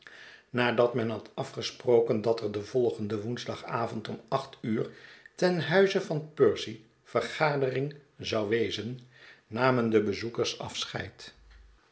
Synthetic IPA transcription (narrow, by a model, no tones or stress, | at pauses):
naːdɑtmɛnɦɑtɑfχəsprowkəndɑtɛɹdəvɔlˠχəndəʋunzdɑχaːvɔntɔmɑχtyːɹtɛnɦœɥzəvɑnpøɹsi | v̥ərχaːdərɪŋzɑwʋejzənːaːməndəbəzukəɹsɑ̰fsχɛ̰jt